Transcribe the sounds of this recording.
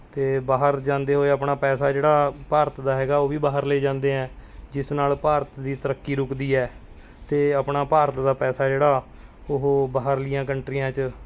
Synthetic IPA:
t̪eːbaːɦəɾd͡ʒãːnd̪eːɦoːeəpɳaːpɛːsaːd͡ʒeːɽaːpaːɾət̪d̪aːɦɛːɡaːoːʋiːbaːɦəɾleːd͡ʒãːnd̪eːɛ̃ːd͡ʒɪsnaːlpaːɾət̪d̪iːt̪əɾəkːiːɾʊkd̪iːɛː | t̪eːəpɳaːpaːɾət̪d̪aːpɛːsaːd͡ʒeːɽaː | ʊɦobaːɦəɾlɪjãːkəɳʈɾijãːt͡ʃ

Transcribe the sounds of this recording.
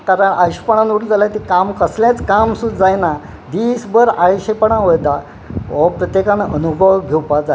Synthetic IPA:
kaɾəɳʔajɕpəɳ̃ãnuɾd͡zalat̪ikamkəsljãt͡skamsud̪d͡zajna | d̪isbəɾaɭiɕepəɳãɦojd̪a | ʋɔpɾət̪jekanənubʱəwɡʱewpad͡za

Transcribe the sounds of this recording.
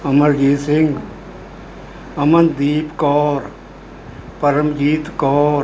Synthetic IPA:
ɐməɾɡiːsɪŋɡ | ɐmənd̪iːpkɔːɾ | pɐɾəmɡiːt̪kɔːɾ

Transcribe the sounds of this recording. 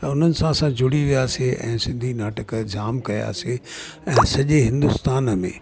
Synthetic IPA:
t̪ɐʊn̤ənɪ̆sãɐsãd͡ʑʊɽiʋijaːseʔɛ̰̃ːsɪ̃nd̪ʱinaːʈəkd͡ʑaːmkɐja̰ːseɛ̃ːsɐʄeɦɪ̃nd̪ʊst̪aːnəmḛ̃ː

